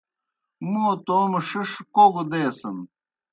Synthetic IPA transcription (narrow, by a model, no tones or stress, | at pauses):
muːt̪oːmeʂiʂkoːɡud̪eːsɐn